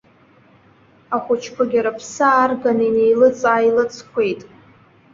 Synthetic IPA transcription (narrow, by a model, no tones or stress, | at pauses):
aχʷʊt͡ʃʰkʷʰaɡʲaɾapʰsaːrɡanine̞jlɨt͡sʼajlɨt͡sʰkʷʰe̞jtʼ